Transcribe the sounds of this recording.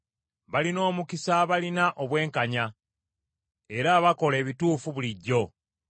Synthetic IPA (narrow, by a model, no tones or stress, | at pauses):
βalino̞ːmukisaβalinaʔo̞βwe̞ːŋkaɲa | e̞ɾaβako̞le̞ːβituːfuβuliɟːo̞